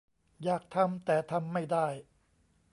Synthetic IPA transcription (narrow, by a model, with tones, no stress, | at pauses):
jaː˨˩k̚t̪ʰa˧mt̪ɛː˨˩t̪ʰa˧mːa˥˩jdaː˥˩j